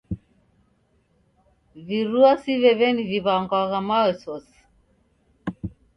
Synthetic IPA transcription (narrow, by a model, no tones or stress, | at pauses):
viɾuasiβɛβɛniviβaŋɡwaɣamawɛsɔs